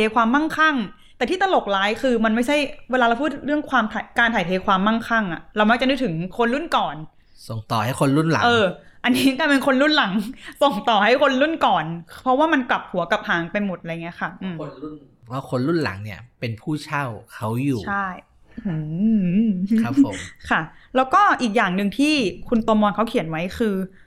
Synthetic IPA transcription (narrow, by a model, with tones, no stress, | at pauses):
eː˧˥kʰwaː˧mːa˥˩ŋkʰa˥˩ŋt̪ɛː˨˩t̪ʰiː˥˩t̪a˧lo˨˩k̚laː˦˥jkʰɯː˧ma˧nma˥˩jt͡ɕʰa˥˩jweː˧laː˧la˧wpʰːt̪̚ɾɯ˥˩əŋkʰwaː˧mt̪ʰa˨˩kaː˧nt̪ʰaː˨˩jt̪ʰeː˧˥kʰwaː˧mːa˥˩ŋkʰa˥˩ŋʔa˨˩ɾa˧wma˦˥k̚t͡ɕa˨du˧˩jt̪ʰɯ˩˦ŋkʰo˧nlu˥˩nkɔː˨˩n | so˨˩ŋt̪ɔː˨˩ha˥˩jxʰo˧nlu˥˩nla̰˨˦ʔɤː˧ʔa˧nːiː˦˥˧kaː˧˥˩pe˧nkʰo˧nlu˥˩nla˩˦ŋso˨˩ŋt̪ɔː˨˩ɦa˥˩jkʰo˧nlu˥˩nkɔː˨˩npʰɔ˦˥waː˥˩ma˧npla˨˩p̚hu˨˩˦ɐka˨˩p̚haː˩˦ŋpa˧jmo˨˩t̪̚ʔa˧˨˩ŋi˦˥ɐka˥˩ʔʔɯː˧˩˧n | waː˥˩kʰo˧nlu˥˩nla̰˩˦ŋni˥˩ɐpe˧npʰuː˥˩t͡ɕʰa˥˩wkʰa˦˥wjuː˨t͡ɕʰa˥˩j | ɯ˧˩ | kʰa˦pʰːo˨˦kʰa˥˩lɛː˦˥wkɔː˥˩ʔiː˨˩k̚jaː˨˩ŋnɯ˧ŋt̪ʰiː˥˩kʰu˧nt̪u˧ɐmɔː˧nkʰa˦˥wkʰi˨˩˦nwa˦˥jkʰɯː˧